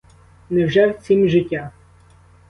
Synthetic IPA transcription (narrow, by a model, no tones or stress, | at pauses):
nɛwʒɛwt͡sʲimʒɪtʲːa